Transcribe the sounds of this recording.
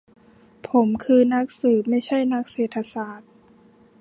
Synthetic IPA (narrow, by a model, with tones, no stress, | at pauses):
pʰo˩˦mkʰɯː˧na˦˥k̚sɯː˨˩p̚ma˥˩jt͡ɕʰa˥˩jna˦˥k̚seː˨˩t̪ʰːa˧saː˨˩t̪̚